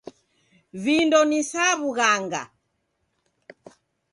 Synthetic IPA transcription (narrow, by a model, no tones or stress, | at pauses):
vindɔnisaβuɣaŋɡa̰